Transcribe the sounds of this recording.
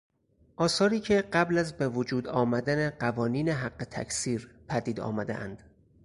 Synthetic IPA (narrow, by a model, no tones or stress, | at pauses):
ʔɒːsɒːɾiːcʰe̞ɢæblæzbe̞vod͡ʒuːd̪ɒːmæd̪æneɢævɒːniːneɦæɢːe̞t̪ʰæ̰kʰsiːɾpʰæd̪iːd̪ɒ̰ːmæd̪eʔæ̰nd̪̥